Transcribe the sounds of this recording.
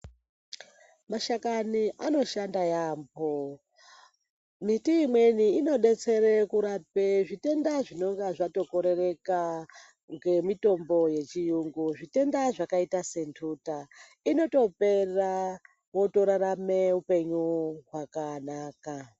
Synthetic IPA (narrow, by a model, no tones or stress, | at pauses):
maʃakaniʔano̞ʃandajaːmbo | mitiːmwe̞niːno̞ɗe̞t͡se̞ɾekuɾapeʐite̞ndaʐino̞ŋɡaʐato̞ko̞ɾe̞re̞ka | ŋɡe̞mito̞mbo̞je̞t͡ʃijuŋɡuʐite̞ndaʐakaitase̞ntʰuta | ino̞to̞pe̞ra | wo̞to̞ɾaɾameupe̞ɲuɦwakanaːka